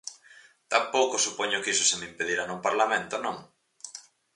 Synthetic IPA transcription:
t̪ampowkʊsupɔɲʊkiso̥semeimpeðiɾanuŋpaɾlamẽnt̪onõ̰ŋ

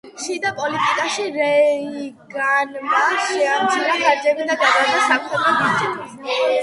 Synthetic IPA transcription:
ʃid̪apʼɔlit̪ʼikʼaʃiɾɛiɡanmaʃɛamt͡ʃʰiɾaɡaɾd͡ʒɛbid̪ad̪ad̪aɾd̪ɛsakχɛbɛbit̪it̪

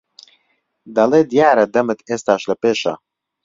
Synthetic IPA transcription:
d̪ɐleːd̪jaːɾɐd̪ɐmɨt̪ʰeːst̪aːʃlɐpeːʃɐ̰

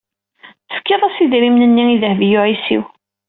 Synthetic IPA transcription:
θə̥fkːiðˤæsiðɾimnənːiiðəhvjʊʕisḭw

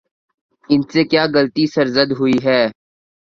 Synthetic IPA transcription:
ɪnsekjaːɡəlt̪isəɾzəd̪ɦʊiɦɛː

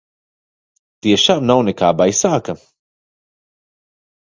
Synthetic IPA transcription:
t̪iɛʃaːmnawnɛkaːbajsaːkɐ

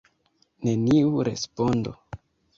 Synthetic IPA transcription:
ne̞niuɾe̞̰spo̞ndo̰

